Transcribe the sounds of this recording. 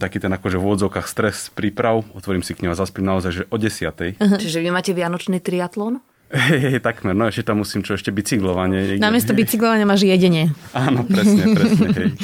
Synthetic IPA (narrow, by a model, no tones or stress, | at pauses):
t̪akiːt̪ɛnakɔʒɛvuɔd͡zɔʊkaːxst̪ɾɛspɾiːpɾaʊɔt̪ʋɔɾiːmsikɲɔɦazaspimnaɔzajʒɛʔɔɟɛsɪat̪ɛjɦt͡ʃiʒɛʋimaːcɛʋɪanɔt͡ʃniːt̪ɾiat̪lɔːn | ɦɛjɦɛjt̪aɡmɛɾnɔɛʃcɛt̪amːusiːmt͡ʃɔɛʃcɛbit͡siɡlɔʋaɲɛjɛnamɪɛst̪ɔbit͡siɡlɔʋaɲɪamaːʒjɛɟɛɲɪɛaːnɔpɾɛsɲɛɾɛsɲɛɦɛj